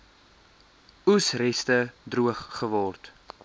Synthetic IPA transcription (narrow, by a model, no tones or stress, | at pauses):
usrɛstədruəχːəvɔrt